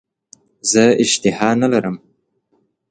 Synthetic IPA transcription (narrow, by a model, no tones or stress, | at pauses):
zəɪʃt̪ɪhɑnalaɾəm